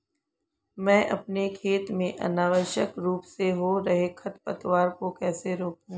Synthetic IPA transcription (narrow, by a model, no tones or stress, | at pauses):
mɛ̃ːʔɐpnekʰeːt̪mẽʔɐ̰naːʋəɾʃjəkɾuːpseɦoɾɐɦekʰɐt̪pət̪ʋaːɾkokɛːseɾoːkũː